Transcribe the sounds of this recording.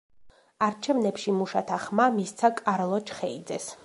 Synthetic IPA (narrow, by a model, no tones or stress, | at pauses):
aɾt͡ʃʰɛvnɛpʃimuʃat̪ʰaχmamist̪sʰakʼaɾlˠɔt͡ʃʰχɛid̪zɛs